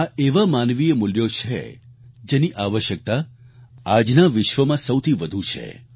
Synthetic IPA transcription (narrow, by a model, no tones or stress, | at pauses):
aeʋamanʋiemʊljot͡ʃʰḛd͡ʒeniʔaʋəʃjək̚t̪a | ad͡ʒnaʋɪʃʋəmãsəwt̪ʰiʋəd̪ʱũt͡ʃʰḛ